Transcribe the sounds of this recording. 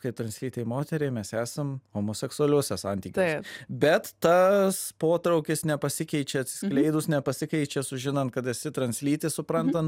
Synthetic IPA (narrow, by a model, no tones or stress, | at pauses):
kɐɪp̚t̪ɾɐnsʲlʲiːt̪ʲeɪmoːt̪ʲɛɾʲeːmʲɛsæːsɐmhoːmoːsʲɛksʊɐlʲuɔsʲɛsɐ̰nʲt̪ʲiːkʲbʲɛt̪tɐspoːt̪ɾɐʊkʲɪsnʲɛpɐsʲɪkʲɛɪt͡ʃʲɛɐt̪ʲsʲɪ̥ssklʲɛɪd̪ʊsnʲɛpɐsʲɪkɛɪt͡ʃʲesʊʒʲɪnɐnt̪kɐt̪ɛsʲɪt̪ɾɐnʲsʲlʲiːt̪ʲesʊpɾɐnt̪ɐn